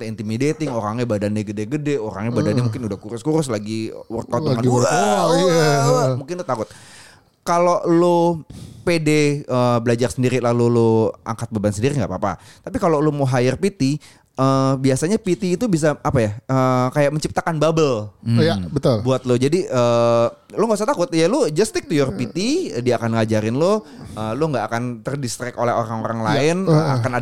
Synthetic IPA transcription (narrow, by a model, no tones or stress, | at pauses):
t̪əint̪imidet̪ɪŋoɾaŋɲabadanːɛɡədeɡədeoɾaŋɲabadannɛmukɪnudahkuɾʊskuɾʊslaɡiwərt̪̚at̪uman | muŋkɪnlot̪akʊt̪̚ | kalolopedeəːbəlad͡ʒarsəndiɾilaluloʔa̰ŋkat̪̚babansəndiɾiŋɡaʔpapa̰t̪apikalolomoɦajɪrpit̪i | ʔəbiasaɲapit̪iːt̪ubis̬aʔapajaəkajaʔ̚məɲt͡ʃəp̚t̪akanbabəl̩jabət̪ʊlbuat̪̚lod͡ʒadiə | loŋɡasat̪akʊt̪̚jalod͡ʒəst̪ɪk̚t̪ujorpit̪idiaːkanŋad͡ʒaɾɪnlo | əluŋɡaːkant̪ərdist̪ɾɛkolɛɦo̰ɾaŋo̰ɾaŋlaɪnakana